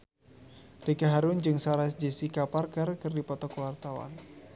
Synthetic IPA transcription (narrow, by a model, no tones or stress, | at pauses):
dikaɦaɾʊnd͡ʒɨŋsaɾasd͡ʒisikaparkərkɨrdipɔt̪ɔkuwart̪awa̰n